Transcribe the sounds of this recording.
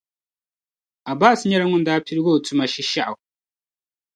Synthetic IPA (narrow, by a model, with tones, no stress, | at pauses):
a˨baː˦˨si˨˦ɲɛ˦ɾa˦ŋʊ˦n̩˦daː˦pi˦ɾi˦ɡoː˦˨tu˦ma˨ʃi˦ʃa˦ʔa˨